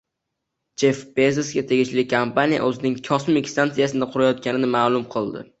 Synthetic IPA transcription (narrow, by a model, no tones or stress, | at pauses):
d͡ʒefbezesɡʲat̪ʰe̞ɡʲɪʃlɪkʰampanija̰ʔɵzɪnɪŋkʲʰɒsɪmekʲst̪ant̪sijasɪnaqʰʊɾajɒt̪̚kʲʰanɪnɪmaːlˠʊmqʰɨlˠd̪ɪ̰